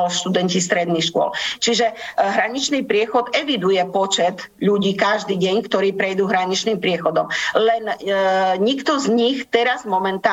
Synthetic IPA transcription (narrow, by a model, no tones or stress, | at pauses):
lʃt̪ud̪ɛncist̪ɾɛd̪nixʃkʊɔ̰lt͡ʃiʒɛɦɾaɲit͡ʃniːpɾɪɛxɔt̪ɛʋid̪ujɛpɔt͡ʃɛt̪ | ʎuɟiːkaʒd̪iːɟɛɲkt̪ɔɾiːpɾɛjd̪uːɦɾaɲit͡ʃniːmpɾɪɛxɔd̪ɔmlɛn | ɲikt̪ɔzɲixt̪ɛɾazmɔmɛnt̪aː